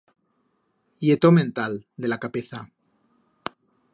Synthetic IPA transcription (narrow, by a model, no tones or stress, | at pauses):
jet̪omẽnt̪ald̪e̞lakapeθa